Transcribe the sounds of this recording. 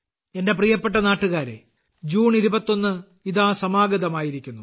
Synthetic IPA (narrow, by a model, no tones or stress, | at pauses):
e̞nde̞prijɐpːe̞ʈ̬ːɐnaːʈːuɣaːɾḛ | d͡ʑuːɳiɾubɐt̪ːo̞nːɨ | iðaːsɐmaːɡɐðɐmaːjiɾikʲːunːu